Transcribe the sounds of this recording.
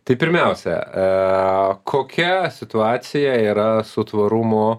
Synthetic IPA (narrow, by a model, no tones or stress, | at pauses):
t̪ɐɪpʲɪɾʲmʲɛʊsʲɛ̰ | kʰoːkʲɛsʲɪt̪ʊɑːt̪sʲɪjɛiːɾɐsʊt̪ʋɐɾʊmʊ